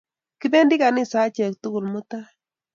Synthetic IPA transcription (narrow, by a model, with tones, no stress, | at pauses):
ki˦bɛ˦ndi˦ka˨nɪ˦sa˨˦t͡ʃɛ˨k̚tʊ˦kʊ˨lmʊ˦ta˦